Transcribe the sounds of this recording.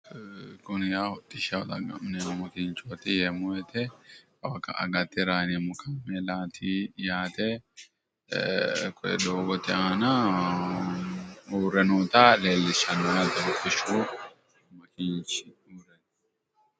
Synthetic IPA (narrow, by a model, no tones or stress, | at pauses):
kʊnjaːhɔt̪ʼːɪʃɐwɔ̰d̪ɐɡɐ̰mnɛmɔmɐkɪnt͡ʃoːt̪ɪjɛmʊɛt̪ɛ | ɐwɐkɐ̰ʔɐ̰ɡɐt̪ːɪɾaːnɛmʊkamːɛlaːt̪ʰiːjaːt̪ɛ | kʰɔɛ̰d̪oːɡɔt̪ɪanɐ | uːɾɛnuːt̪aleːlːɪʃɐnːɔjɐt̪ɐʊt̪ʼːɪʃuː | mɐkɪnt͡ʃɪ | uːɾɛn